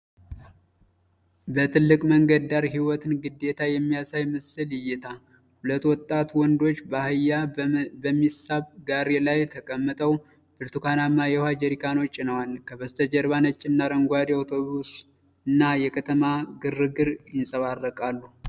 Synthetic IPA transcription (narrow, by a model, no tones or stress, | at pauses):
bət̪ʰɨlːɨkʼməŋɡəd̪aɾɦiwɔt̪ʰɨnɡɨd̪ːet̪ʰajɛmːijasajmɨsɨljɪjːɪt̪ʰa | hulət̪ːwɔt̪ʼːat̪wɔnd̪o̞t͡ʃːhɨjabəmːisaβɡaɾelajt̪ʰəkʼəmːɨt̪ʼʰəw | b̥ɨɾt̪ukʰanamːajɛhad͡ʒɛɾikʰano̞t͡ʃʼːɪnəwalkʰəβəst̪ʰəd͡ʒɛɾβanət͡ʃʼːɪnːaɾəŋɡʷad̪jawt̪ʰo̞βus | ɨnːajɛkʰət̪ʰəmaɡɨrːɨɡɨɾjɪnsʼəβarːəkʼalːu